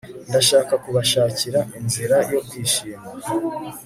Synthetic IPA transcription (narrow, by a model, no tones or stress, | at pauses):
ndaʃaːkakuβaʃaːciɾaʔinziɾajo̞kwiːʃiːma